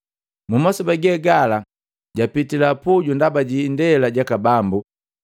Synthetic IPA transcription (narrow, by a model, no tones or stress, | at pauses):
mumɔsɔbaɡɛɡala | ɟapitilapuɟundabaɟindɛlaɟakabambu